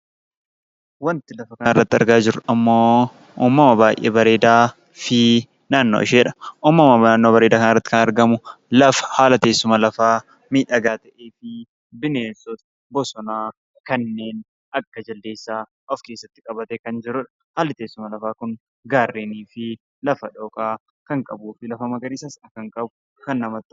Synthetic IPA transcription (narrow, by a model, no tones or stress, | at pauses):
wɐnt̪ɪlɐfɐkɐnɪrːɐt̪ːɪɐ̰ɾɡaːd͡ʒɪɾɐʔɐmːoː | ʔuːmːɐmɐbaːjʔeːbɐɾe̞ːd̪aː | fɪ | naːnːo̰ːɪʃeːᶑɐ̥ʔuːmːɐmɐaːnːoːbɐɾe̞ːd̪aːkɐnɪrːɐt̪ːɪkɐnɐɾɡɐmʊlɐfɐ̥haːlɐt̪e̞ːsːʊmɐlɐfaː | miːᶑɐɡaːt̪ɐʔeːfɪ | bɪneːnsɔt̪ɐ̥ | bɔsɔnaː | kɐnːe̞ːn | ɐkːɐd͡ʒɐld̪eːsːaː | ʔɔfke̞ːsːɐt̪ːɪ̥kʼɐbɐt̪ɛkɐnd͡ʒɪɾʊᶑɐ̥ | haːlɐt̪e̞ːsːʊmɐlɐfaːkʊŋ | ɡaːrːeːniːfɪ | lɐfɐᶑoːkʼaː | kɐŋkʼɐbuːfɪlɐfɐmɐɡɐɾɪːsɐsɐkɐŋkʼɐbʊ | kɐnːɐmɐt̪ː